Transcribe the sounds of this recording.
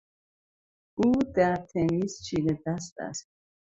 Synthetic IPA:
ud̪at̪ʰɛmist͡ʃʰilɛd̪ast̪ʼa̰s

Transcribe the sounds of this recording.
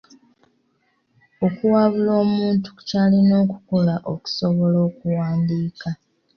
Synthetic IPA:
o̞kuwaːβuloːmuːntu̥caːlino̞ːku̥kolaʔo̞ku̥so̞βo̞lo̞ːkuwaːndiːka

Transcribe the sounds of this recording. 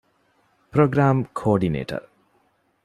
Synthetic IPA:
proɡramkʰorɖinḛʈʌ̰r

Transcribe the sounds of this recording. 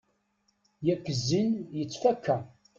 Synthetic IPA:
jækːəzːinjət͡sːfækːæ

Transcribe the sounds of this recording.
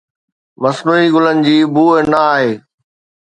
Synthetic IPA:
mɐsnuːiɡʊlənɪ̆d͡ʑiːbuːnɐaːɦeː

